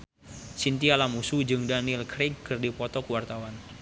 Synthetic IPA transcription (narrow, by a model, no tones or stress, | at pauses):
sint̪ialamusud͡ʒɨŋdanilkɾɪɡːɨrdipɔt̪ɔkəwart̪awan